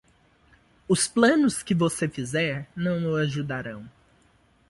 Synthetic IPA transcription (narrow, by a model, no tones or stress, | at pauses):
ʊsplɐ̃nʊskɪvosefizɛɾnɐ̃w̃ʊaʒud̪aɾɐ̃w̃